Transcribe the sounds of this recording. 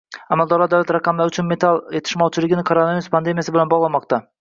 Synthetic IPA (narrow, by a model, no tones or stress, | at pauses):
amalˠd̪ɒɾlˠɑɾd̪awlat̪ɾaqʰɑmlˠaɾyt͡ʃʰynme̞t̪ʰalˠet̪ʰɪ̥ʃmɑwt͡ʃʰɪlˠɪɡʲɪnɪkʰoɾonaviɾuspʰand̪e̞mijasɪbelanbɒʁlˠɑmɑqt̪ɑ